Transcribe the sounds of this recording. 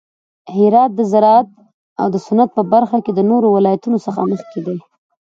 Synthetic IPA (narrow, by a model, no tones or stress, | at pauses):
hɪɾɑt̪̚d̪əzaɾɑat̪̚ | a̰wd̪əsʊnat̪̚pəbaɾxaked̪ənoɾowɪlɑjat̪unosəxa̰məxked̪e